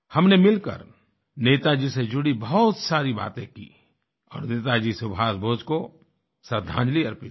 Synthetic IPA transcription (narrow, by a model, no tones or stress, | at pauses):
hɐmnemɪlkə̰ɾ | neːt̪ad͡ʒised͡ʒʊɽibɐɦʊt̪saːɾiba̰ːt̪ẽkḭː | ɔ̰ːɾneːt̪ad͡ʒisʊbʱaːsbʱoːd͡ʒko | səd̪ʱːã̰ːd͡ʒliɐɾpɪ